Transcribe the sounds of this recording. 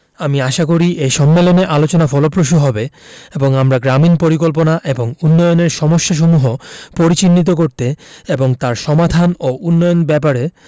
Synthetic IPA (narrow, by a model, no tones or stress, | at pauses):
amiaʃak̬oɾiʔejʃɔmːeloneʔalot͡ɕonafɔlopɾoʃ̬uɦɔbeeboŋamɾaɡɾaminpoɾikolp̬onaʔeboŋunːɔjoneɾʃɔmoʃːaʃ̬omuɦopoɾit͡ɕinːit̪̬okoɾt̪eeboŋt̪aɾʃɔmad̪ʱanoʔunːɔjonbɛpaɾe